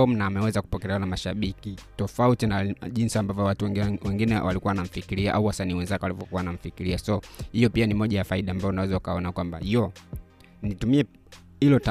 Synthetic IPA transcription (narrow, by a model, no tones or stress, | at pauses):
ɔm̩naːmɛwɛzaku̥pɔkɛlɛanamaʃaɓikitɔfautinaʄinsiambavjɔwatuwɛŋɡinɛwalikuwanam̩fikiɾiaʔauwasaniːwɛnzakɛwalivɔkuwanaɱ̩fikiɾiasɔhijɔpianimɔʄajafaiɗaːmbaɔunawɛzawakaɔnakwamba̰jɔ | nitumiɛ | hilɔta